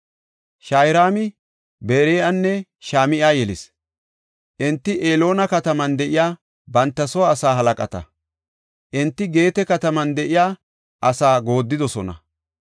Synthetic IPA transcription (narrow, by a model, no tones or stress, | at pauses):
ʃajɾaːmɪ | beːɾeːɐnːɛʃaːmɪʔaːjɛlɪs | ʔɪnt̪ːɪʔeːlo̞ːnɐkɐt̪ɐmɐnd̪ɛʔɪjaː | bɐnt̪ːɐsɔwaːsaːɦɐlɐkʼɐt̪ɐ̰ | ʔɪnt̪ːɪɡe̞ːt̪ɛkɐt̪ɐmɐnd̪ɛʔɪjaː | ʔɐsaːɡo̞ːd̪ːɪd̪ɔsɔnɐ̰